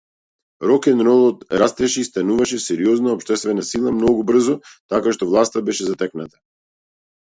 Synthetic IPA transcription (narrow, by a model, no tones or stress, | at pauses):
ɾɔkɛnɾɔlˠɔt̪ɾast̪ɛʃɛist̪anuvaʃɛsɛɾiɔznaɔpʃt̪ɛst̪vɛnasilˠamnɔɡubr̩zɔt̪akaʃt̪ɔvlˠast̪abɛʃɛzat̪ɛknat̪ḁ